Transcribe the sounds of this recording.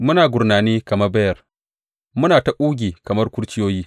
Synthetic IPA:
mʊ˦naː˨ɡʷʊ˨rnaː˨niː˦kɐ˨mɐ˦rbɐ˦jɐ˨r | mʊ˦naː˨ta˨ʔuː˦ɡʲiː˨kɐ˨mɐ˦rkʷʊ˦ɽt͡ʃɪ˦joː˦jiː˦

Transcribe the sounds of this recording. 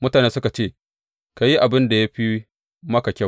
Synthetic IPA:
mʊ˦taː˨neː˦sʊ˦ka˨t͡ʃeː˦˨ | ka˨ji˦ʔa˨bɪ˦nda˨ja˦ɸi˦ | mɐ˦ka˨kʲɐ˦˨

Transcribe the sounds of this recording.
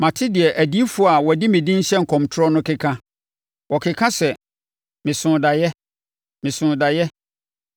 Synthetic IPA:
mã˨tʰɪ˦dɪ˨ɛ˨ʔæ˨di˦fu˦a˨wɔ˨dɪ˦mɪ̃˨dĩ˦n̩˦ɕɛ˦ŋ̩˨kʰɔ̃˨mtʰʊ˦ɔ˦nʊ̃˦kʰɪ˦kʰã˦ | wʔɔ˨kʰɪ˨kʰã˦sɛ˨ | mɪ̃˨sʊ̃ː˨da˨jɛ˦ | mɪ̃˨sʊ̃˨da˨jɛ˦

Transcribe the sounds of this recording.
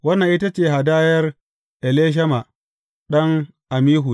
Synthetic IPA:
wɐ˦nːɐ˨ʔi˦ta˦t͡ʃeː˦˨ɦa˨daː˦jɐ˦r | ʔɛ˨leː˦ʃ̬ɐ˦ma˨ | ɗɐ˦ŋ | ʔa˨miː˦ɦu˨

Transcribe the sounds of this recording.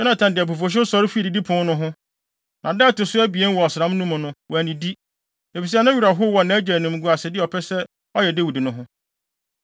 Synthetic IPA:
sɛ˦nã˨tʰã˨ndɪ˨æ˨p̬o˨fo˨ɕ̬ɪ˦sɔ˦ɾɪ˦fi˦˨di˨di˦pʰʊ̃˦nʊ̃˦ɦʊ̃˦ | nʔã˨dɛː˦tɪ˨sʊ˦æ˦bi˨e˦n˦wɔ˨ɔ˨sɪ˨ɾã˦m˦nũ˦mʊ̃˨nʊ̃˦wɔ˨æ˨nĩ˨di˦ | e˨fi˨s̬i˦a˨nʊ̃˦ɥi˨ɾa˨ɦʊ˦wɔ˨nã˨˦d͡ʑæ˨nʊ̃˨m̩˨˦ɡu˨˦a˨sɛ˨dɪ˦ɔ˨pʰɛ˦sɛ˦ | ɔ˦jɛ˨de˦wu˨di˨nʊ̃˦ɦʊ̃˦

